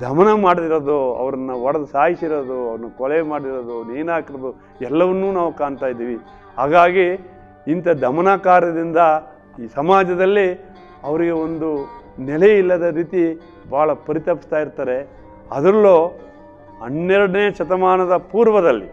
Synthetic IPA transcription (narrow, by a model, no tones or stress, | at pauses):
d̪ʱɐmɐnɐmaːɽd̪iɾɐd̪uɐ̰ʋɐɾɐnːɐʋɔɽɐd̪usaːjisiɾod̪uɐʋɾɐnːɐkɔɭemaːɽiɾod̪uniːnaːkiɾɐd̪u | ɛlːɐʋɐnːuːnaːʋukaːɳt̪aːjid̪ːiːʋi | ɦaːɡaːɡi | int̪ɐd̪ʱɐmɐnaːkaːɾɐd̪ind̪ɐ | sɐmaːd͡ʒɐd̪ɐlːi | ɐʋɐɾiɡe̞ond̪unɛleilːɐd̪ɐɾiːt̪i | bʱaːɭɐpɐɾit̪ɐpːi̥st̪aːjiɾt̪aːɾe̞ | ɐ̰d̪ɾɐloː | ɐnːɛɾɐɽɐneːʃɐt̪ɐmaːnɐd̪ɐpuːɾʋɐd̪ɐlːḭ